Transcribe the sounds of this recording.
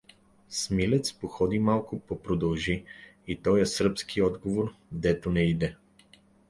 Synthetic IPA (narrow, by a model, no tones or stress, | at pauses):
smilɛt̪spoxɔd̪imalˠkʊpopɾod̪ɐlˠʒiit̪ɔjɛsɾpskʰiɔd̪ɡovoɾd̪ɛt̪onɛid̪ɛ